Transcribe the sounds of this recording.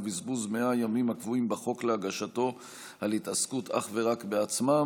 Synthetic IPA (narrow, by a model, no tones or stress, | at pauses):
bizbuzmeajamimhakvuimbaχo̞kleaɡaʃato̞ | alitaskuta̰χve̞ʁakbeat͡sma